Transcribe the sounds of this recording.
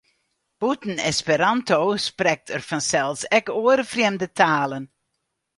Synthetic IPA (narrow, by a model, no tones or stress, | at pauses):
b̥utən̩ɛspəɾɑntowsprɛk̚tʰərfɑnsɛlˠsɛkoəɾfrɪmdətʰaːlən